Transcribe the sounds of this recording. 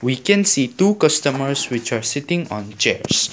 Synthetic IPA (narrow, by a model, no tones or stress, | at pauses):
wikɛ̃nsiːtuːkʌstəməɾswɪt͡ʃaɹsɪtɪ̃ŋɔ̰̃nt͡ʃɛ̰ɹs